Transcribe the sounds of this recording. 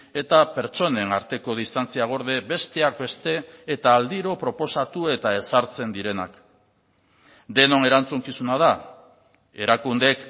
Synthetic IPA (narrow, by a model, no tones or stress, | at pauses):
e̞t̪ape̞ɾt͡ʃo̞ne̞naɾt̪e̞ko̞ð̞ist̪ant͡siaɣ̞o̞ɾðe̞be̞st̪e̞ak̚be̞st̪e̞ːt̪aːld̪iɾo̞pɾo̞po̞sat̪ue̞t̪ae̞saɾt͡se̞nd̪iɾe̞na̰k | d̪e̞no̞ne̞ɾant͡suŋkisunað̞a | e̞ɾakund̪e̞k